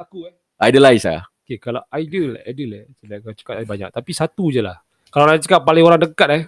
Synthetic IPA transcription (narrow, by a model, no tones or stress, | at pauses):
akuɛ | ajdəlaisa̰okekalaʔaidəla̰adəlasəlakt͡ʃə̥kat̪̚baɲa̰k̚t̪apisat̪ud͡ʒala̰h | kalalat͡ʃə̥kapːalɪŋoɾaŋdəkat̪̚ɛ